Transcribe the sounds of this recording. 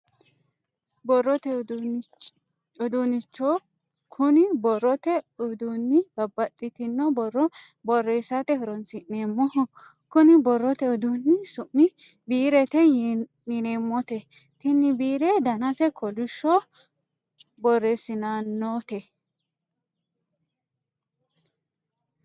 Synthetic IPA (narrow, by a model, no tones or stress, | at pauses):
bɔrːɔt̪ɛ | ɔd̪unɪt͡ʃːɔ | kʰʊnɪbɔrɔt̪ɛɔd̪unːɪb̥ɐbːɐtʼːɪt̪ɪnːɔbɔrːɔbɔrːesat̪ɛhɔɾɔnt͡sɪneːmːɔhɔ | kʊnɪbɔrːɔt̪ɛɔd̪unːɪsʊmːɪbiːɾɛt̪ɛjnɪneːmːɔt̪ɛ | t̪ɪnːɪbiːɾɛd̪ɐnɐsɛkʰɔlʊʃːɔ | bɔrːesɪnanːoːt̪ɛ